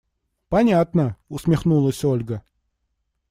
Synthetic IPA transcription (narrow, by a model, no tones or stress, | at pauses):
pɐnʲat̪nəʊsmʲɪxnulˠəsʲolʲɡə